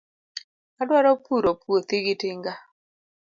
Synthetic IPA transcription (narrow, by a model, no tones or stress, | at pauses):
adwaɾɔpuɾopwot̪ɪɡɪtɪŋɡa